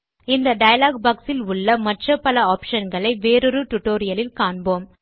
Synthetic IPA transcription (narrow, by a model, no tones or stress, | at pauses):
ɪnd̪ɐɖɐjɐlaːɡ̚baːksɪlʊɭːɐmɐʈrɐpːɐlɐaːpʂɐnɡɐɭɐɪʋeːɾɯɾɯʈʊʈːoːɾɪjɐlɪlkaːɳboːm